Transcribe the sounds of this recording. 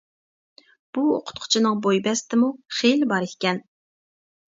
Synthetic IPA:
b̥uo̰qʰʊ̥t̪qʰʊ̥t͡ʃʰinɨŋbojbɛst̪ʰɪmuχelbɑɾet̪kʲɛn

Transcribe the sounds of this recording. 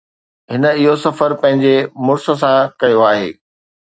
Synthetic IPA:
ɦɪnə̆ɪɦosɐfəɾpɐ̃ɦɪ̃ɲd͡ʑemʊɾsə̆s̬ãkɐjoaːɦḛː

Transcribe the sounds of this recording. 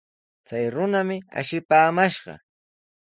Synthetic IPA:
t͡sajɾʊnamɪa̰ʃɪpaːmaʃɢɑ̰

